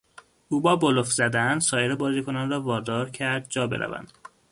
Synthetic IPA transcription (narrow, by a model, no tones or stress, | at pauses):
uːbɒːbolofzæd̪ænsɒːjeɾebɒːziːkʰo̞nɒnrɒːvɒːd̪ɒːɾcʰæɾd̪̚d͡ʒɒːbe̞ɾʔæ̰væ̰nd̪̥